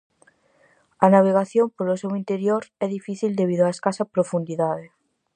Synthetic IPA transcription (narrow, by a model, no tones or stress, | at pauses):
anaβ̞eɣ̞aθjompoɾlosewint̪eɾjoɾɛðifiθild̪eβ̞iðoaeskasapɾofund̪iðaðe